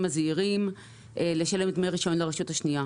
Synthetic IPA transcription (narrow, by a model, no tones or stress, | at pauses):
maziʁim | ʔele̞ʃale̞mt̪mejʁiʃo̞nleʁeʃuthaʃnia